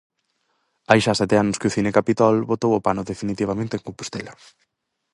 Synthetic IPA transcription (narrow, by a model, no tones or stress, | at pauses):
ajʃasɛt̪eanʊskʊθinekapit̪ɔlβot̪owopanʊðefinit̪iβ̞amẽnt̪eŋkompust̪elɐ